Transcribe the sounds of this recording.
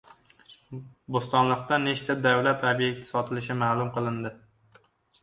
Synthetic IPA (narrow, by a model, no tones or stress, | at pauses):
bost̪ɒnlˠɨq̚t̪aneʃt̪ʰad̪awlat̪ʰobje̞k̚t̪ʰɪ̥sɒt̪ʰɪlɪʃɪmalˠʊmqʰɨlˠɪnd̪ɪ